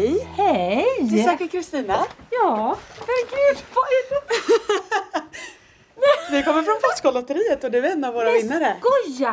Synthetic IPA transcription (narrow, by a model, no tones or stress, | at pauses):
jhɛjt̪ɪsɑːkːəɾkʰɾɪst̪iːnajɑːvɛɾɡʉːd̪pɔ | ɛvɪkɔmːəɾfɾɔnfɛskɔlɔt̪ːəɾiːət̪ɔd̪ɛɛɾɛnːavːoːɾavɪnːaɾəɡ̥ɔja